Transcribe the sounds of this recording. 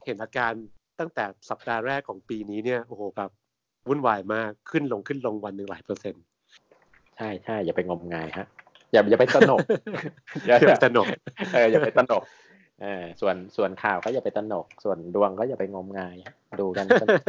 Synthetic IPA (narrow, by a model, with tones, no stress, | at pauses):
he˩˦nʔaː˧kaː˧nt̪a˥˩ŋt̪ɛː˨˩sa˨˩p̚daː˧ɾɛː˥˩kʰːɔː˩˦ŋpiː˧niː˦˥ni˥˩ɐʔoː˧˩hoː˨˩˦bɛː˨˩p̚ | wu˥˩˨nwaː˧˩jmaː˧˥˩kʰːɯ˥˩nlo˧ŋkʰɯ˥˩nlo˧ŋwa˧nːɯ˧ŋlaː˩˦jpɤː˧se˧n | t͡ɕʰa˥˩jt͡ɕʰa˥˩jːaː˨˩pa˧jŋo˧mŋaː˧jha˦˥ʔ | jaː˨˩jaː˨˩pa˧jt̪ɾno˨˩˨ | a˨˩˨t̪a˧no˨˩ʔɤː˨˩jaː˨˩a˧jt̪a˧no˨˩k̚ | ʔɤː˨˩su˨˩ənsu˨˩ənkʰaː˨˩wkɔ˥˩ja˨˩pa˧jt̪a˧no˨˩k̚su˨˩əndu˧əŋkɔː˥˩jaː˨˩pa˧jŋo˧mŋaː˧jduː˧ka˧n˧